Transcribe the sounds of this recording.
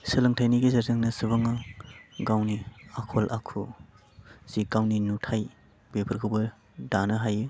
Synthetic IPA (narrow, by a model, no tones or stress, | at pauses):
sɯlɐŋtʰajniɡizɐɾzɯŋnɐsɯbɯŋaɡawniakʰolʔakʰu | z̥iɡ̥awninutʰaj | bepʰɯɾkʰɯwbɯ | danɐɦajɯ